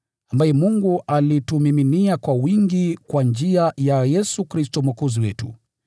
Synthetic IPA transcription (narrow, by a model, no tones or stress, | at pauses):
ambajɛmuŋɡuʔalitumiminiakwawiŋɡikwand͡ʒiajajɛsukɾistɔmwakɔziwɛtṵ